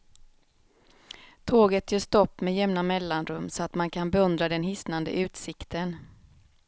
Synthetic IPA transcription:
t̪ʰoːɡət̪jøːʂt̪ɔpːmɛːjɛmnamɛlːanɾɵmːsɔat̪mankʰanbɛɵnd̪ɾad̪ɛnɦɪsnand̪ə̰ʔʉ̟ːt̪sɪkt̪ən

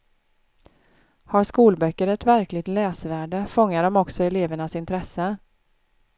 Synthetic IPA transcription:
haɾʂkuːlbœkːəɾɛt̪væɾklɪɡ̚t̪lɛːsvæːɖəfɔŋːaɖɔmɔksɔɛleːvəɳasɪnt̪ʰɾɛsə

